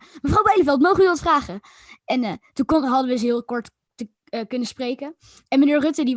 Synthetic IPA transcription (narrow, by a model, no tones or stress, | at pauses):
məvrɑwbɛjləfɛlˠtmowχənyʋɑtfraːχə | ɛntukonɦɑdəʋəs̬ɦɪːlˠkɔɹt | tə | kɵnəsprejkə | ɛnmənɪːɹrɵtədi